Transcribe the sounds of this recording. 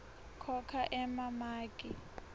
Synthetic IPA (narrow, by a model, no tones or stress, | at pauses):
kʰɔkʰaʔɛmamaːkʼi